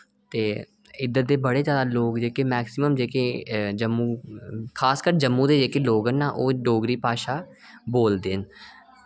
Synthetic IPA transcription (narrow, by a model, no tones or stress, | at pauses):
t̪eː | ɪd̪əɾd̪eːbəɽeːzjaːd̪aːloːkd͡ʒeːkeːmɛːksɪməmd͡ʒeːkeːd͡ʒəmːũːkʰaːskəɾd͡ʒəmːũːd̪eːd͡ʒeːkeloːɡənːãːʔoːɖoːɡɾiːpaːʃaː | boːld̪eːn